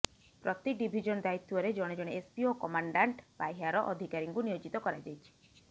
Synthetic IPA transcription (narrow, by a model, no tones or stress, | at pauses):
pɾɔt̪iɖibʱid͡ʒɔnd̪ajit̪ːuɔɾed͡ʒɔɽ̃ed͡ʒɔɽ̃eespiokɔmaɳɖaɳʈbajɦaɾɔʔɔd̪ʱikaɾiŋkunijod͡ʒit̪ɔkɔɾajd͡ʒajt͡ʃʰi̥